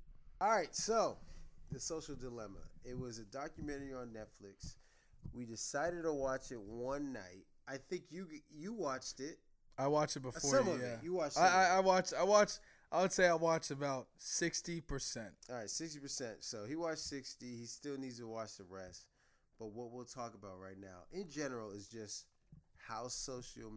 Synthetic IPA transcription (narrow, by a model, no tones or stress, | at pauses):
ɔlˠɹaɪtsoʊðɨsoʊʃl̩ˠdəlɛmə̰ɪt̚wʌzɨdɑkjɨmɛ̃ɾ̃ə˞iə̃nːɛtflɪks | widɨsaɪɾɨd̚təwɑt͡ʃɪt̚wʌ̃nːa̰ɪt̚ | aɪθɪ̃ŋkjɨjɨwɑt͡ʃtɪt̚ | aɪwɑt͡ʃɨt̚b̥əfɔɹʌmʌjæjɨwɑt͡ʃaɪaɪaɪwɑt͡ʃaɪwɑt͡ʃ | ʔaɪwədseɪaɪwɑt͡ʃɨbaʊt̚sɪkstipʰə˞sɛ̃nt̚ɹaɪtsɪkstipʰə˞sɛ̃ntsoʊiwɑt͡ʃsɪkstiistɪlˠnidz̥tʰəwɑt͡ʃðəɹɛst | b̥ʌt̚wʌt̚wilˠtʰɔkəbaʊt̚ɹaɪtⁿnaʊʔɪ̃nd͡ʒɛnə˞l̩ˠɪzd͡ʒʌst̚ | haʊsoʊʃl̩ˠ